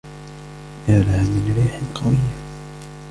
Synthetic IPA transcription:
ʔalaːmɪnɾiːħɪlqɑwɪjːa

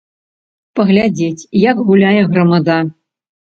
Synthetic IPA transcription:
pɐɣlʲad͡zʲet͡sʲjakɣulʲajɛɣɾɐmad̪a

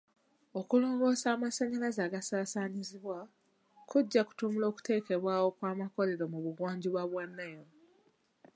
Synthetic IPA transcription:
o̞kulo̞ːŋɡo̞saːmaseɲalazaːɡasaːsaɲiziβwa | kuɟːaku̥tumulo̞ːku̥te̞ːke̞βwaːwo̞kwaːmako̞le̞ɾo̞muβuɡwaːɲɟiβwaβwanːajo

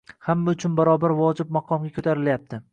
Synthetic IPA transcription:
hamːaʊt͡ʃʰʊnbaɾɒbaɾvɒd͡ʒɪb̚mɑqʰɒmɡʲakʰɵt̪ʰaɾɪljap̚t̪ʰɪ

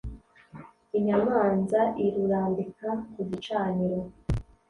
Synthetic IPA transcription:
iɲamaːnzaʔiɾuɾaːndikakuɟit͡ʃaːɲiɾo

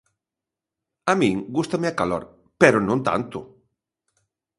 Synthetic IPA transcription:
amĩŋɡust̪ameakalo̰ɾ | pɛɾʊnõnt̪a̰nt̪ʊ

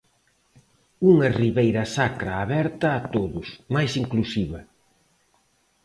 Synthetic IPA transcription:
uŋɐriβejɾɐsakɾɐːβɛɾt̪ɐːt̪oðʊsmajsiŋklusiβɐ

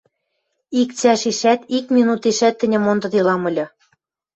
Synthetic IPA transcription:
ik̚t͡sæʃiʃæt̪ikmʲinut̪iʃæt̪ːɘ̆nʲɘ̆mond̪ɤ̆d̪ilɑmɤ̆lʲɤ̆

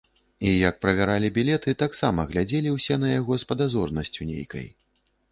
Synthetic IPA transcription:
ijɐk̚pɾɐvʲaɾalʲibʲilʲɛt̪ɨt̪aksamɐɣlʲad͡zʲɛlʲiwsʲɛnɐjaɣɔspɐd̪azɔrnɐsʲt͡sʲunʲḛjkɐ̰j

